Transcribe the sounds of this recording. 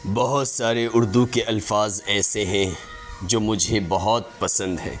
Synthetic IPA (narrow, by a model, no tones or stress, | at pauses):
bɐɦʊt̪saːɾeʔʊɾd̪ukeʔɐlfaːzɛːseɦɛ̃ | d͡ʒoːmʊd͡ʒʱebɐɦɔt̪̚pɐsə̃nd̪ɦɛ̰̃ː